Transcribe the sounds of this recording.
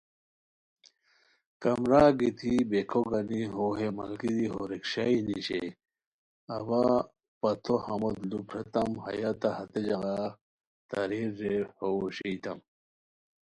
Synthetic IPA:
kɐmɾaːɡit̪ʰibekʰoɡɐniɦoɦemɐ̰lkid̪iɦoɾekɕainiɕḛ | ɐba | pɐt̪ʰohɐmot̪lupɾet̪ɐmhɐ̰jat̪ahɐt̪ed͡ʑɐɣa | t̪ɐɾiɾːehoɕijt̪ɐm

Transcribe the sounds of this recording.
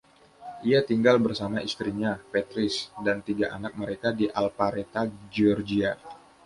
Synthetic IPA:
ʔiat̪iŋɡalbərsamaist̪ɾiɲapet̪ɾɪsdant̪iɡaʔanak̚məɾekadiʔalpaɾet̪ad͡ʒɔrd͡ʒia

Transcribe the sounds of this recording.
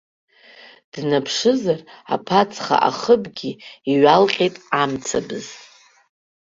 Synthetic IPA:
d̥napʰʂɨzara̰pʰat͡sʰʼχa̰ʔa̰χəbɡʲiiɥalqʲʼejtʼamt͡sʰabɨz̥

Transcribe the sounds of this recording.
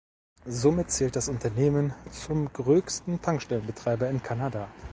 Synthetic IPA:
zoːmɪt̚t͡sɛːlt̚d̥asʊntʰɐneːmənt͡sʊmɡʁøːçstn̩tʰaŋkʃtɛlənbətʁ̥aɪbɐɪnkʰanadaː

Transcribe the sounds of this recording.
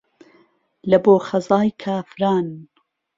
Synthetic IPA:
lɐboːχɐzɑːjkʰaːfɾaːn

